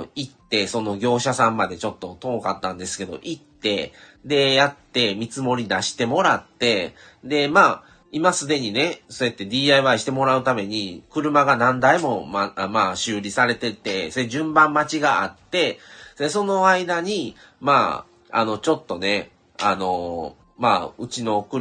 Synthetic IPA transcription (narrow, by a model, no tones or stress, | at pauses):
it̪ːe̞so̞no̞ɡʲo̞ːɕasãmːad̪e̞t͡ɕo̞t̪ːo̞t̪o̞kat̪ːãnd̪e̞sɨ̥ke̞d̪o̞̰ʔit̪ːe̞d̪e̞jat̪ːe̞mʲit͡sɨmo̞ɾʲid̪aɕi̥t̪e̞mo̞ɾat̪ːe̞ | d̪e̞maː | imasɨd̪e̞ɲ̟ine̞sojat̪ːe̞d̪ʲiːaiβaiɕi̥t̪e̞mo̞ɾaɯ̟t̪ame̞ɲ̟ikɯ̟ɾɯ̟maɡanãnd̪aimo̞mamaːɕɨːɾʲisaɾe̞t̪e̞t̪e̞soeʑɨ̃mbãmːat͡ɕiɡaa̰t̪ːe̞d̪eso̞no̞aid̪aɲ̟i | ma̰ː | a̰no̞t͡ɕo̞t̪ːo̞ne̞ | a̰no̞ | maːɯ̟t͡ɕino̞kɯ